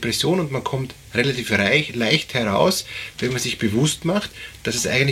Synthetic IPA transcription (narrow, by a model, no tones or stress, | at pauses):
pʁ̥ɛsjoːnʊntmankʰɔmt | ʁelatiːfʁlaɪçthɛɐʁa̰ʊsvɛnmanzɪçb̥əvʊstmaχtd̥asɛsʔa̰ɪɡəntl